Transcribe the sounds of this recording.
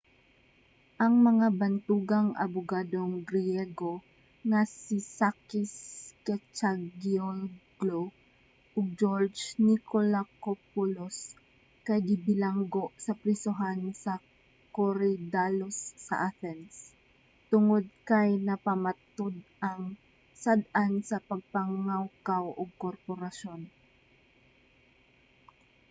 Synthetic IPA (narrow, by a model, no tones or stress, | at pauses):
ʔɐŋmɐŋabɐnt̪uːɡɐŋʔɐ̰bʊɡaːd̪oŋɡɾjɛɡo | ŋasisakɪskɛt͡ʃaɡjoɡlo | ʔɔɡ̚d͡ʒoɹd͡ʒnikolakopulos | kɐjɡɪbɪlaŋɡoʔsɐpɾɪsʊɦansɐ | koɾɛd̪alosːɐ̰ʔaθɛns | t̪ʊŋod̪̚kɐjnɐpɐmat̪ʊd̪̚ʔaŋ | sad̪̚ʔansɐpɐɡ̚paŋawkawʔoɡ̚koɾpoɾaʃon